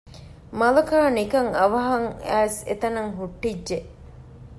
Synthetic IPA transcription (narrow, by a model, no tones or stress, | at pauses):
mɐlɐkaːnikɐŋɐʋɐɦɐŋæːsḛt̪ɐnɐŋɦuʈːidːʒeʔ